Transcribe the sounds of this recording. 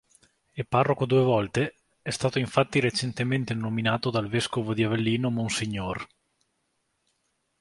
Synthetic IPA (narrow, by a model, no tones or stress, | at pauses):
epːarːokod̪uevɔlt̪e | ɛst̪aːt̪oiɱfat̪ːiɾet͡ʃent̪ement̪enominaːt̪od̪alveskovod̪iavelːiːnomonsiɲːor